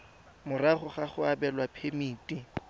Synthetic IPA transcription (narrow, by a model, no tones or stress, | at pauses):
mʊraχʊχaχʊabɛlwapʰemiːtʼi